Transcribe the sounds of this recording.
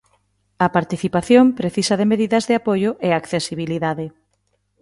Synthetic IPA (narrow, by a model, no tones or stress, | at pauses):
ɐpaɾt̪iθipaθjompɾeθisɐðemeðiðɐzðeapojʊʔeakθesiβ̞iliðaðe